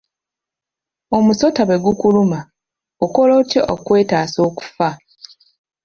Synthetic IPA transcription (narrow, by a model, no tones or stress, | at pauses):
o̞muso̞taβe̞ɡukuluma | oko̞lo̞ːcjo̞ʔokwe̞ːtaːso̞ːku̥fa